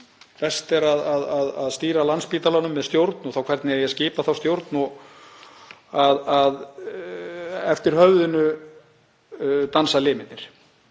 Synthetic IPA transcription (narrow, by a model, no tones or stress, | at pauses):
pɛst̪ɛɾaðaðaðaðst̪iːɾalanspiːt̪alanʏmːɛðst̪jowɾt̪nɔθawkʰvɛɾt̪nɪɛjɛscɪːpaθawst̪jowɾt̪nɔɣ | aðað | ɛft̪ɪɾ̥hœvðʏnʏ | t̪ansalɪːmɪnnɪɾ̥